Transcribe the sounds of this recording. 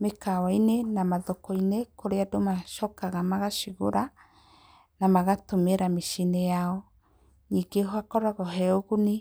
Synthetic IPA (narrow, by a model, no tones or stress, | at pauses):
mekawainenamaðokɔinekoɾeadomaʃɔkaɣamaɣaʃiɣoɾa | namaɣatomeɾameʃinejaɔ | niŋɡehwakɔɾaɣɔɦɛoɣuni